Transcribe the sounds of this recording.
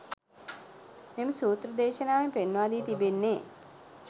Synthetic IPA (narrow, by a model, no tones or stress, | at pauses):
memɐsuːt̪ɾɐd̪ɛːʃɐnaːmepenʋaːd̪iːt̪ibenːe